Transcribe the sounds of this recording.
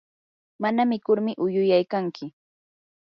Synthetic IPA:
manamɪkʊɾmɪʔʊjʊjajkaŋkɪ

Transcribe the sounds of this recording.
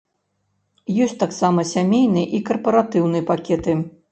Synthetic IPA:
jɔsʲt̪aksamɐsʲamʲejnɨjɛʔikɐrpɐɾat̪ɨwnɨjɛpakʲɛt̪ɨ

